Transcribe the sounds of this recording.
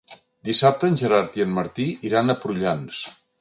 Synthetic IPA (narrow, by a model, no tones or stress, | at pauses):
d̪isap̚t̪əːnʲʒəɾaɾt̪iənməɾt̪iiɾanəpɾuʎans